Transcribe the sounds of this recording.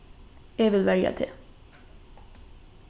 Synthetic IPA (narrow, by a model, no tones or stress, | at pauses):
eːʋɪlʋæɾja̰t̪ʰɪ̰